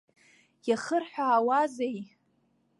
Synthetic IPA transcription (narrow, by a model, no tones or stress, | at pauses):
jaχərħʷᶣaːwazej